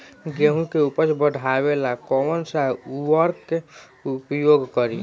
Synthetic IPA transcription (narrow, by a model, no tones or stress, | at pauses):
ɡeɦũkeupəɾbəɖʱabelakɔwənsauwəɾkke | upjoɡkəɾi